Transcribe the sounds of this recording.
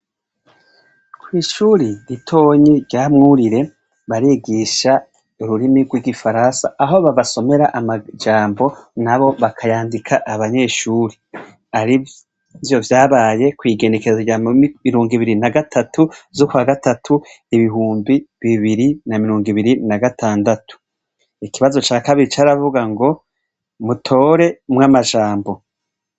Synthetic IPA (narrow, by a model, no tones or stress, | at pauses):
kʰwiːʃuɾiɾitʰo̞ːɲiɾɟamŋuɾiɾe̞ | βaɾiɡiʃa | uɾuɾimiɡwiɡifaɾansa̰ːɦo̞βaβasome̞ɾaʔamad͡ʒaːmbo̞naβo̞βakʰajaːndikʰaʔaβaɲe̞ːʃuːɾe | aɾi | vjo̞vjaːβaːje̞kwiːɡe̞ne̞ke̞zaamiɾoːŋɡiβiɾinaɡatʰatuzokwaːɡatatʰu | iβiɦuːmbiβiβiɾinamiɾoːŋɡiβiɾinaɡataːndatʰu̥ | ikiβazo̞t͡ʃaːkaβiɾit͡ʃaːɾavuɡaŋɡo̞ | mutʰo̞ːɾe̞mŋamaʒaːmbo̞